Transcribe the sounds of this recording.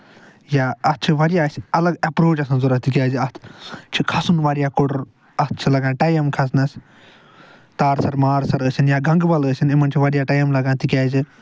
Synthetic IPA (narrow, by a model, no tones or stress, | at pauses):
jaːɐt̪̚ʰt͡ʃʰiʋɐɾijaːsʲɐlɐɡɐpɾoːt͡ʃɐs̬ɐnzuɾɐt̪ikʲaːd͡ʒiɐt̪ʰt͡ʃʰikʰɐsunʋaːɾijaːkoɽɾ | ɐst̪̚ʰt͡ʃʰilɐɡãːnʈɐːjɐmkʰɐs̬nɐs | t̪aːɾsɐɾmaːɾsɐɾəsʲinjaːɡʱɐŋɡbɐləsʲinimɐnt͡ʃʰiʋɐɾijaːʈɐːjɐmlɐɡãːt̪ikʲaːd͡ʒi